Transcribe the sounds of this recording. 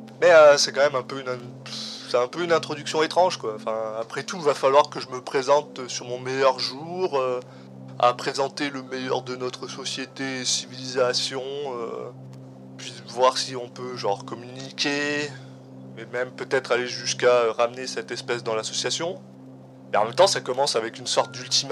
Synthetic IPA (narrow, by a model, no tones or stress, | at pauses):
mɛasɛkɑ̃mɛmɛ̃pøynɛ̃sɛɛ̃pøynɛ̃t̪χɔd̪yksjɔ̃et̪χɑ̃ʒkwaɑ̃fɛ̃apχɛt̪uvafalwaʁkəʒəməpχezɑ̃t̪øsyʁmɔ̃mɛjœʁʒuʁø | a̰pχezɑ̃t̪eləmɛjœ̰ʁd̪ənɔt̪χəsɔsjet̪esivilizasjɔ̃ø̰ | pɥivwaʁsiɔ̃pøʒɑ̃ʁkɔmynikʲe | mɛmɛmpøt̪ɛt̪χaleʒyskaøʁamnesɛt̪ɛspɛs̬d̪ɑ̃lasɔsjasjɔ̃ | mɛɑ̃mɛmt̪ɑ̃sakɔmɑ̃savɛkʲynsɔʁt̪̚d̪ylt̪im